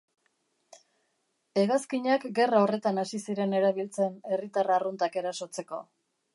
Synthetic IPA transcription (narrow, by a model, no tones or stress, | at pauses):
e̞ɣaskiɲakɡe̞raore̞t̪anasisiɾe̞ne̞ɾaβ̞ilt͡se̞ne̞rit̪araːrunt̪ake̞ɾaso̞t͡se̞ko̞̰